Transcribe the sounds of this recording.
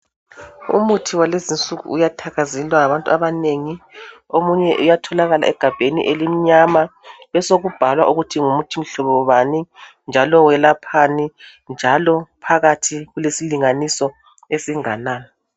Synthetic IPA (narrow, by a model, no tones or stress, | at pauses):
ṵmutʰiwalezint͡sʼuɣṵːjatʰaɣazilwaŋaβantʼuaβaneŋiomuɲɛʔujatʰɔlaɣala̰ɛɡ̥ʱab̥ʱenḭʔelim̩ɲamaβɛsoɣub̥ʱalwa̰ʔuɣutʰiŋumutʰim̩ɬɔβɔβani | nd͡ʒʱalɔwɛlapʰani | nd͡ʒʱalɔpʰaɣatʰiɣulesiliŋanisɔ | esiŋanaːnɔ